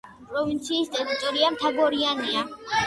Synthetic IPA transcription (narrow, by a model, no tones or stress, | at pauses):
pʼɾɔvint̪sʰiːst̪ʼɛɾit̪ʼɔɾiamt̪ʰaɡɔɾiania